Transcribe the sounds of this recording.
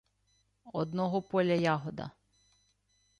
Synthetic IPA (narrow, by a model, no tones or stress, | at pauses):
ɔd̪nɔɦɔpɔlʲɐjaɦɔd̪ɐ̰